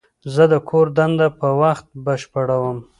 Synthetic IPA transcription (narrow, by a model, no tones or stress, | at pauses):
zəd̪əkʰoɾd̪and̪apəwaxt̪̚bəʃpəɽawəm